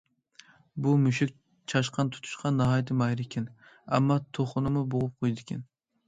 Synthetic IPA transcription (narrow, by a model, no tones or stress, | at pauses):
bumyʃɪk̚ʲ | t͡ʃʰɑʃqʰɑnt̪ʰu̥t̪ʰu̥ʃqʰɑnːɑɦɑjt̪ʰɪmɑjɾɪkʲʰɪn | æ̰mːɑt̪ʰoχʊnɨmʊboʁʊp̚qʰojd̪ɪkʲʰɪn